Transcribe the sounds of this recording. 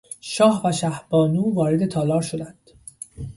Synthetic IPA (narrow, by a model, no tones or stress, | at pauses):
ʃɒːhvæʃæhbɒːnuːvɒːɾe̞d̪e̞t̪ʰɒːlɒːɾʃod̪ænd̪̥